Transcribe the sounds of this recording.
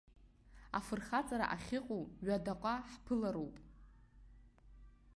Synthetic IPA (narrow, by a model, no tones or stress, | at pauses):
a̰fɨrχat͡sʼaɾa̰ʔaχʲɪqʼowɥadaqʷʼaħpʰɨlaɾowpʼ